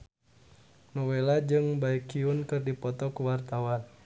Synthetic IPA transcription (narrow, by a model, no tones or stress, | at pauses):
nɔwelad͡ʒɨŋbaikiunkɨrdipɔt̪ɔkuwart̪awan